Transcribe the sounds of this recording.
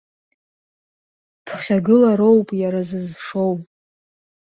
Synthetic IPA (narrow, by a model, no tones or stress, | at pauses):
pʰχʲaɡɨlaɾo̞wpʼjaɾazɨzʂo̞w